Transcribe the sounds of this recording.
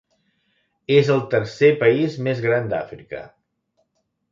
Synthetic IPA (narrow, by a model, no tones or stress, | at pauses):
ezəlˠt̪əɾsepəizmezɣɾand̪a̰fɾḭkə̰